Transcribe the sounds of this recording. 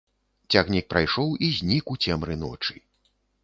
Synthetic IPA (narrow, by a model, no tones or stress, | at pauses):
t͡sʲaɣnʲik̚pɾajʂɔwizʲnʲikut͡sʲɛmɾɨnɔ̰t͡ʂɨ